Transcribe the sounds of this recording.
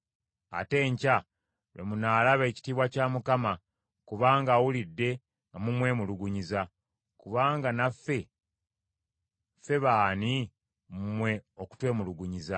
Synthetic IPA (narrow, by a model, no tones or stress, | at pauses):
a̰te̞ːɲca | wḛmunaːlaβe̞ːci̥tiːβwacaːmukama | kuβaːŋɡaːwulidːe̞ | mumwe̞ːmuluɡuɲiza | kuβaːŋɡanafːe̞ | fe̞βaːni | mumwe̞oku̥twe̞ːmuluɡuɲiza